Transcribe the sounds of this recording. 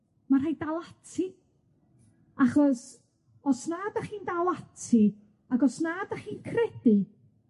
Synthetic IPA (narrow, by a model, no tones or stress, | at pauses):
mar̥ajdalˠatʰi | aχɔs | ɔsnaːdaχiːndalˠatʰi | aɡɔsnaːdaχiːnkʰrɛd̥i